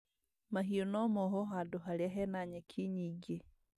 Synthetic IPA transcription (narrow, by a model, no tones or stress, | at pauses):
maɦionɔmoɦɔɦadoɦaliaɦɛnaɲɛkʰiɲiɡe